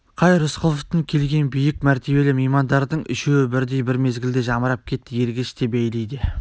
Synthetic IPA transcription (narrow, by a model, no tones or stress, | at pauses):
qʰɑjɾʊsqʰəlˠoft̪əŋkʲʰe̞lɡʲe̞nbijɪk̚mæɾt̪e̞be̞lɪmejmɑnd̪ɑɾd̪əɴɪ̰ʃewɪbɪɾd̪e̞jbɪɾme̞zɡʲɪld̪eʒɑməɾɑp̚kʲʰe̞t̪ːɪje̞ɾɡʲeʃt̪ebejlejd̪ɪ